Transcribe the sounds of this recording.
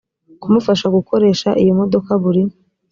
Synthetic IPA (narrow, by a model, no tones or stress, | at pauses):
kumufaʃaɡuko̞ɾe̞ːʃaʔijomo̞do̞kaβuɾi